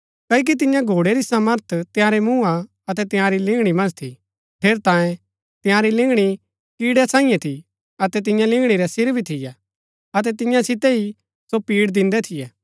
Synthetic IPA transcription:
kɐk̬it̪̬ɪ̃jãɡʱoːɽeɾisaməɾt̪ʰt̪ɪ̃jãɾɛmũa | ɐt̪ɛt̪ɪ̃jãɾilɪ̃ŋɡɽ̃imɐ̃nd͡ʒt̪ʰi | pʰeːɾt̪ãːje | t̪ɪ̃jãɾilɪ̃ŋɡɽ̃i | kiːɽɛsãːĩjɛ̃t̪ʰi | ɐt̪ɛt̪̬ɪ̃jãlɪ̃ŋɡɽ̃iɾɛsɪɾbʱit̪ʰɪjɛ | ɐt̪ɛt̪ɪ̃jãsɪt̪ɛi | sopiːɽd̪ɪ̃nd̪ɛt̪ʰɪjɛː

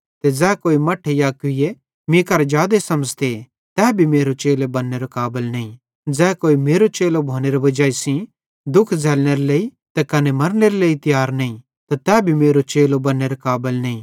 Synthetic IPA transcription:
t̪ed͡zɛːkoːimɐʈʰejaːkʊije | mĩkɐɾd͡ʒjaːd̪esɐməd͡ʒt̪e | t̪ɛːbʱimeːɾot͡ʃeːlebɐnːeɾokaːbəlnɐĩ | d͡zɛːkoːimeːɾot͡ʃeːlobʱoːneɾobɐd͡ʒaːisĩ | d̪ʊkʰd͡zʱɛːlñeɾoleːi | t̪ɛkɐnemɐɾneɾeleːit̪ɪjaːɾnɐĩ | t̪at̪ɛːbʱimeːɾot͡ʃeːlobɐnːeɾokaːbəlnɐĩ

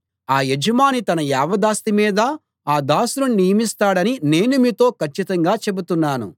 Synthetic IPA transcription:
aːjed͡ʒɐmaːnit̪ɐnɐjaːʋɐd̪aːst̪imiːd̪ɐ | aːd̪aːsununijɐmist̪aːɽɐnine̞ːnumiːt̪o̞ːkʰɐt͡ʃːit̪ɐŋɡaːt͡ʃe̞but̪unːaːnṵ

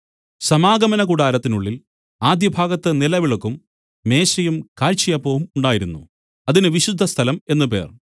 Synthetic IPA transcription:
sɐmaːɡɐmɐnɐkuɽaːɾɐt̪ːinuɭːil | aːd̪jɐbʱaːɡɐt̪ːɐnilɐʋiɭokːum | me̞ːɕɐjumkaːɻt͡ɕijɐpːoːʋumuɳɖaːjiɾunːṵ | ɐðinɨʋiɕud̪ʱːɐst̪ʰɐlɐme̞nːupe̞̰ːr

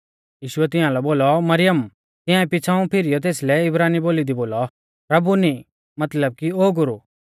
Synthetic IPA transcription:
jiːʃʊɛt̪̬ɪ̃ãlɛboːlɔmɐɾɪjəm | t̪ɪ̃ãɛ̃pɪt͡sʰaũpʰɪɾijɔt̪̬eːslɛɪbɾaːniboːlid̪iboːlɔ | pɾɐbuni | mɐt̪ləb̚kioːɡʊɾu

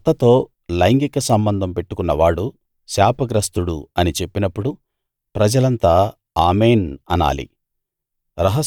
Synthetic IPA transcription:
t̪ːɐt̪o̞ː | lɐjŋɡikɐsɐmbɐnd̪ʱɐmpe̞ʈːukunːɐʋaːɽu | ʃaːpɐɡɾɐst̪uɽuɐnit͡ʃe̞pːinɐpːuɽu | pɾɐd͡ʒɐlɐnt̪aː | aːmeːnɐna̰ːlḭ | ɾɐɦɐ

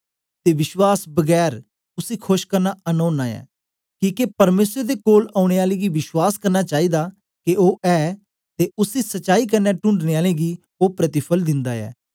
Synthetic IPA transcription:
t̪eːʋɪʃwaːsbəɡɛːɾ | ʊsiːkʰʊʃkəɾnaːənoːnaːɛ̰ː | kĩːkepəɾmeːsəd̪eːkoːlaːʊɽ̃eːaːleːɡiːʋɪʃwaːskəɾnaːt͡ʃaːiːd̪aː | kɪoːʔɛː | t̪eːʊsiːsət͡ʃːʃaːiːk̬əɾnɛːʈʊ̃ɳɖneːaːleːɡiː | oːpɾət̪ɪpʰəld̪ɪ̃nd̪aːɛ̰ː

